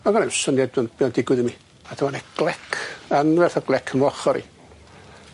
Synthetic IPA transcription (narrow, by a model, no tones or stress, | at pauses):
ɔɡɔnɛmsɔniɛdənb̥iɔndɪɡwɨðəmi | atʰəmanɛɡ̥lˠɛkʰanvɛrθɔɡlˠɛkʰənvɔχɔɾḭ